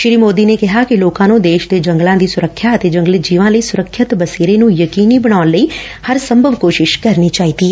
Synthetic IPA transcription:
ʃɾiːmoːd̪iːneːkɪɦaːkɪloːkãːnũːd̪eːʃd̪eːd͡ʒə̃ŋɡlãːd̪iːsʊɾəkʰːjaːət̪eːd͡ʒə̃ŋɡəld͡ʒiːʋãːləiːsʊɾəkʰːət̪bəseːɾeːnũːjəkiːniːbəɽaːnləiː | həɾsəmbʱəʋkoːʃɪʃkəɾniːt͡ʃaːiːt̪iːɛ

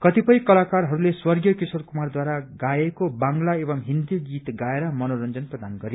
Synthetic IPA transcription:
kʌt̪ipʌj̃kʌlakarɦʌɾuleswʌrɡjʌkisworkumard̪waɾaɡajekobaŋlaebʌŋɦind̪iɡit̪ɡaeɾʌmʌnoɾʌnd͡zʌnprʌd̪anɡʌɾe

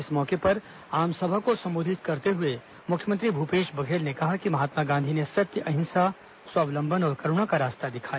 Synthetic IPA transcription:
ɪsmɔːkepɐɾ | aːmsɐbʱakosɐ̃mboːd̪ʱɪt̪kɐɾt̪eɦʊe | mʊkʰjəmə̃nt̪ɾibʱupeːʃbɐɡʱeːlnekɐɦakimɐɦaːt̪maɡãːnd̪ʱinesɐt̪jəʔɐɦɪ̃nsa | swaːʋlə̃mbʱənɔːɾkɐɾʊɽ̃akaɾaːst̪ad̪ɪkʰaː

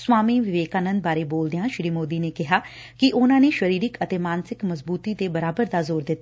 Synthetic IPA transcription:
swaːmiːʋɪʋeːkaːnə̃nd̪baːɾeːboːld̪ejãːʃɾiːmoːd̪iːneːkɪɦaː | kɪʔʊnãːneːʃəɾiːɾɪkət̪eːmaːnsɪkməzbuːt̪iːd̪eːbəɾaːbəɾd̪aːzoːɾd̪ɪt̪ːa

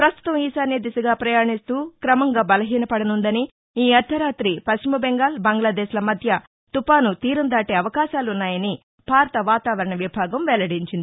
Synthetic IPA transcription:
pɾɐst̪u̥t̪ɐmiːsaːned̪isɐɡaːpɾɐjaːɳist̪uːkɾɐmɐŋɡaːbɐlɐɦiːnɐpɐɽɐnund̪ɐni | iːɐɾt̪ʰːɐɾaːt̪ɾipɐst͡ʃimɐbɛŋɡaːlbɐŋɡlaːd̪ɛːʃlɐmɐd̪ʱjɐ | t̪upaːnut̪iːɾund̪aːʈeːɐʋɐkaːʃaːlunːaːjɐni | bʱaːɾt̪ɐʋaːt̪aːʋɐɾɐɳɐʋibʱaːɡɐmʋɛlɐɽiɲt͡ʃind̪i

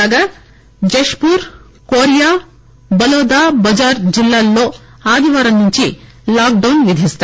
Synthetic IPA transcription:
ɡaː | d͡ʒeʂpuːɾ | koːɾjaː | bɐloːd̪aːbɐd͡ʒaːɾd͡ʒilːaːlːo̞ː | aːd̪ʱiʋaːɾɐmnuɲt͡ʃi | laːk̚ɖɐwnʋid̪ʱist̪

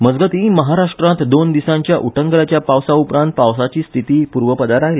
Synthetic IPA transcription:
məd͡zɡət̪ĩməɦaɾaʂʈɾãt̪d̪ond̪isãɲt͡ɕjaʔuʈʰəŋɡlat͡ɕjapawsaupɾãnt̪̚pawsat͡ɕiːst̪ʰit̪iːpuɾʋəpəd̪aɾaɦjle

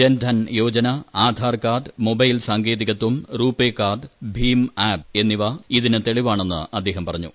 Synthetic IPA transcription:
endʱɐnjo̞ːt͡ɕɐnɐaːd̪ʱaːrkaːɖɨmobɐjlsaːŋɡeːðiɣɐt̪ːumruːpːeːkːaːɖɨbʱiːmaːb̚e̞nːiʋɐiðinɨt̪eɭiʋaːɳe̞nːɨ̰ʔɐd̪ːe̞ːɦɐmpɐrɐɲːu

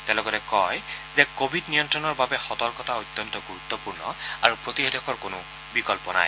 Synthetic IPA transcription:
tɛlɔɡɔtɛkɔjzɛkobʱidnijɔntɹɔnɔɹbabɛxɔtɔɹkɔtaojt̪ːɔntɔɡuɹut̪ːɔpuɹnɔ̰aɹupɹotiɦedɔkʰɔɹkonʊ | bikɔlpɔna̰j

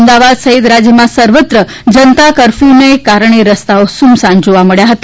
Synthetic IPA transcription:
md̪aʋad̪səɦit̪ɾad͡ʒjəmãsəɾʋət̪ɾə | d͡ʒənt̪akəɾfinekaɾəɳ̃eɾəst̪aosumsãnd͡ʒoʋaməɭjaɦət̪a

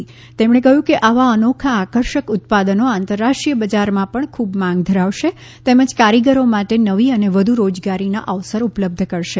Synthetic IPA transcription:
i | t̪emɳekəɦjũkeʔaʋaənokʰaːkəɾʃəkʊt̪̚pad̪ənoant̪əɾːaʂʈɾijəbəd͡ʒaɾmãpəɳkʰubmãŋɡd̪ʱəɾaʋʃe | t̪eməd͡ʒkaɾiɡəɾomaʈenəʋiəneʋəd̪ʱuɾod͡ʒɡaɾina̰ʔəʋsəɾupləb̚d̪ʱəkəɾʃe

